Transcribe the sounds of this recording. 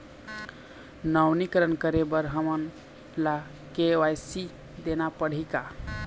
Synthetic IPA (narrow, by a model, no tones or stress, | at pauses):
nəwnikəɾənkəɾebəɾɦəmən | la | keajsi | d̪enapəɽ̤ika